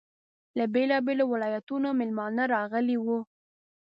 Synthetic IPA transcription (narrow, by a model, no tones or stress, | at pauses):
labelɑbelowɪlɑjat̪unomɪlmɑnaɾɑɣəliwu